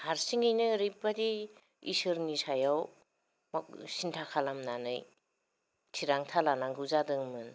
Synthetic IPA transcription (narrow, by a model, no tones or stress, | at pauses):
haɾsiŋijnɯɾipːadi | ḭsɯɾnisajaw | mɔk̚sintʰakʰalamnanɯ̰j | tʰiɾaŋtʰalanaŋɡɯzadɯŋmɯn